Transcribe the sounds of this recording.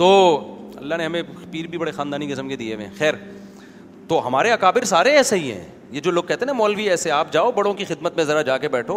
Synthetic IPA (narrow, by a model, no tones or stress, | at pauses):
t̪oːɐ̰lːaneɦɐmẽpiːɾbʱibɐɽexãːnd̪aːniɡɪsəmked̪ieʋḛ̃xɛːɾ | t̪oːɦɐmaːɾeɐkaːbɪɾsaːɾeɛːseɦiɦɛ̰̃ː | jed͡ʒoːloːɡ̚kːɛɦt̪eɦɛ̃ɦɛmɔːlʋiɛːseaːp̚d͡ʒaːobɐɽõkixɪd̪mət̪mẽzɐɾad͡ʒaːkebɛːʈʰoː